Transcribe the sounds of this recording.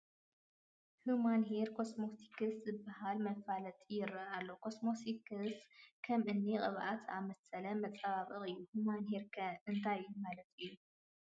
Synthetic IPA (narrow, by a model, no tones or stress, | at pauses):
humanɦeɾkʰo̞smot̪ʰi̥kɨszɨbːaɦalmɐfalɐt̪ʼijɪɾɐalːokʰo̞smosikʰɨskʰɐmʔɨnːiqʼɨβʔat̪ʰamɐsɐlɐmɐt͡sʼaβaβɨχʼɨjːuhumanɦeɾkʰɐɨnt̪ʰajumalɐt̪ɨjːu